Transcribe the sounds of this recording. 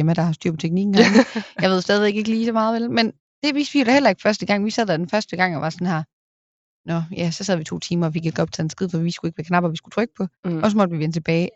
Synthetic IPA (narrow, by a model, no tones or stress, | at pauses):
emæd̥ɑ̈hɑ̈sd̥yɐ̰pʰɒ̽t͡sʰeɡ̥niɡ̥n̩hnjɑ̈ɪʋe̝ð̞̰ˠsd̥ɛːð̞ˠe̝ɡ̥e̝ɡ̥liːsɒ̽mɑ̈ːð̩ˠʋelmen | d̥e̝ʋiːsd̥ʋijo̝ɾ̥æhelɐe̝ɡ̥fɶɐsd̥əɡ̥ɑ̈ŋ̰ʋisɛð̞̰ˠd̥æd̥enfɶɐsd̥əɡ̥ɑ̈ŋ̰ɒʋɑ̈sɒnhæɐ̰ | nɒjæsɒsɛð̞ˠʋit͡sʰo̝̰ːt͡sʰiːmɐɒfiɡ̥eɡ̥ɒ̽b̥̚t͡sʰæːensɡ̥iðˠfɒ̽ʋisɡ̥ue̝ɡ̥ʋækʰnɑ̈b̥ɐɒʋisɡ̥u̥t͡sʰʁœɡ̥ə̥pʰɒ̽ɒ̽s̬ɒ̽mɒ̽d̥əʋiʋenət͡sʰe̝b̥ɛːɪ